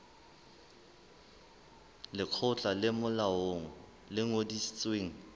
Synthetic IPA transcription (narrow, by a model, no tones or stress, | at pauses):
lɪq͡χʰʊt͡ɬʼalɪmʊlaoŋ̩ | lɪŋodisit͡sʼweːŋ̩